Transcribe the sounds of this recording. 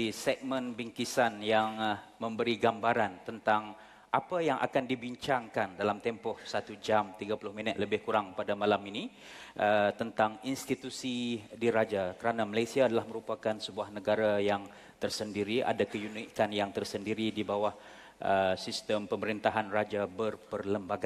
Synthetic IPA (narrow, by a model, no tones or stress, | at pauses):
isɛk̚mə̃nbiŋkisanjaŋmə̃mbəɾiɡambaɾant̪ənt̪aŋ | ʔapajaŋʔa̰kandibiɲt͡ʃaŋkandalamt̪ɛmpɔhsat̪ud͡ʒamt̪iɡapulʊhminət̪̚ləbɪhkuɾaŋpadamalamini | ʔət̪ənt̪aŋinst̪it̪usidiɾad͡ʒakəɾanamalajsiaːdalahməɾupakansəbuahnəɡaɾajaŋ | t̪ərsəndiɾia̰dakəjunikanjaŋt̪ərsəndiɾidibawah | ʔəsist̪əmpəməɾint̪aɦanrad͡ʒabərpərləmbaɡa